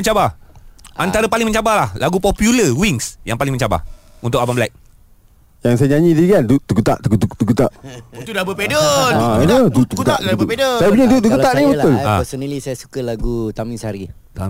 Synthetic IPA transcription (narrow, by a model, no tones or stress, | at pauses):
məɲt͡ʃaba | ʔant̪aɾəpalɪŋmə̃ɲt͡ʃabahlahlaɡupɔpjuləwiŋsjaŋpalɪŋmə̃ɲt͡ʃaba̰hunt̪ʊkabamblajk̚ | jaŋs̬ajaɲaɲĩdiɡandut̪ukut̪aʔt̪ukut̪ut̪ukut̪aʔt̪udabəpedənəd̪ut̪ukut̪apedəsajapuɲadut̪ukuaʔnibət̪ʊla̰sənilisajasu̥kəlaɡut̪amĩnsaɾi